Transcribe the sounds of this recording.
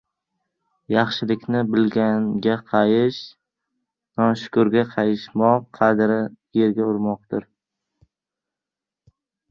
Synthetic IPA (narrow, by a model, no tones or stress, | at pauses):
jɑχʃɪlɪkʲnɪbɪlɡʲanɡʲaqʰɑjɪʃ | nɒnʃʊ̥kʊɾɡʲaqʰɑjɪʃmɒqqʰɑd̪ɾɪ | je̞ɾɡʲaʊɾmɒq̚t̪ɪɾ